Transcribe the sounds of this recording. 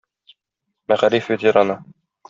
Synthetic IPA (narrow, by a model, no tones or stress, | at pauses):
mæʁæɾifbit̪jɤɾɑnɤ